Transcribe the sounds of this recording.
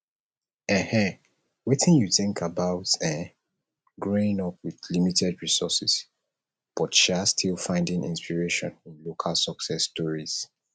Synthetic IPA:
ɛ̃hɛ̃ | wetʰɪ̃njuθɪ̃ŋkʰabaʊtɛ̃n | ɡɹoɪ̃ŋɔp̚wiðlimitʰɛdɹisɔsis | b̥ɔtʃiastʰilˠfãɪ̃ndɪ̃ŋʔḭ̃nspiɹeʃɔ̰̃nĩnlokʰalˠsɔksɛsːtɔɹiz̥

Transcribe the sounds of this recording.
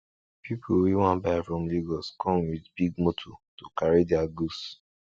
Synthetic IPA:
pipʰuwiwãnbajfɹɔ̃mliɡɔskʰɔ̃nwidbiɡ̚motʰɔtokaɹidɛaɡus

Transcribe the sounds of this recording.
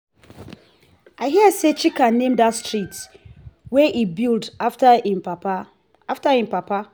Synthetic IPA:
aɪɦiəset͡ʃikãnːẽmdatstɹit | wɛʔibild | aftahĩmpapa

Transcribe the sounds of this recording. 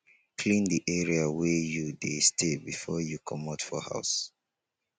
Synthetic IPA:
kʰlĩndiʔɛɹiawɛjudestʰebifɔjukʰɔmɔtfɔha̰ʊs

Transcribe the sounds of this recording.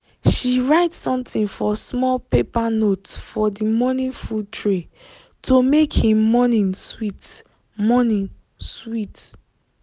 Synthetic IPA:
ʃiɹaɪtsɔ̃mtĩnfɔsmɔlpepanotsfɔdimɔnĩnfultʰɹe | tʰomekhĩmːɔnĩnswit | mɔnĩn | swit

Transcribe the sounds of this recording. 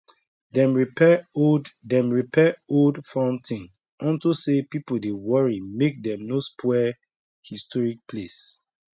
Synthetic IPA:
dɛ̃mɹipɛoddɛ̃mɹipʰɛodfãntʰĩŋ | ɔ̃ntosepipodewɔɹimek̚dɛ̃mnoskʰwɛ | histɔɹik̚pʰles

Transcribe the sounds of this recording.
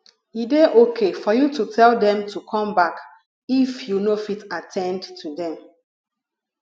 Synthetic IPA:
ideʔokʰefɔjututʰɛldɛ̃mtukʰɔ̃mbak | ifjunofitatʰɛ̃ndtʰːudɛ̃m

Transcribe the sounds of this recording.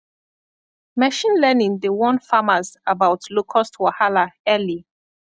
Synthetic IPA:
mɛʃĩnlɛnĩŋdewɔ̃nfamazabawtlokʰɔstʰwahalaɛli

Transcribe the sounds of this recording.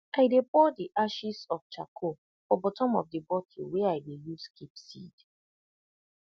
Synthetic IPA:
aɪdepɔdiʔaʃisɔft͡ʃakʰo | fɔbɔtɔ̃mɔfdibɔtʰiweaɪdejuskipsḭd

